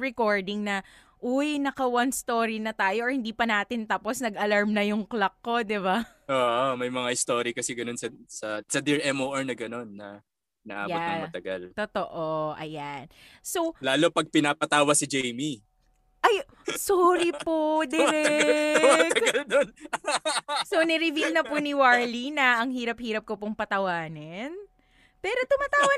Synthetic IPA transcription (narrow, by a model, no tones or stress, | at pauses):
ɹɛkoɹd̪ɪŋnɐ | ʔʊjnɐkɐwɐnst̪oːɾinɐt̪aːjoʔɐhɪnd̪iːpɐnaːt̪ɪnt̪aːposnɐɡɐlaɹmnɐjʊŋklɐkːo̞d̪ɪba | ʔoːʔomɐjmɐŋaɪst̪oːɾikɐsɛɡɐno̞nsɐsɐsɐd̪ɪɹɛmoʔɐɹnɐɡɐno̞nːɐ | nɐ̰ʔaːbjot̪ɐŋmɐt̪ɐɡalt̪ot̪oʔoʔɐjan | so̞wlaːlo̞pɐɡ̚pɪnaːpɐt̪aːwɐsɪd͡ʒɛjmi | ʔɐj | soːɾipod̪ɪɾɛmaɐɡɐlnon | sownɛɾɪvilnɐpʊniwaɹlinɐʔɐŋhiːɾɐp̚hiːɾɐp̚kopʊŋpɐt̪ɐwaːnɛn | pɛːɾo̞t̪ʊmaːt̪aːwɐ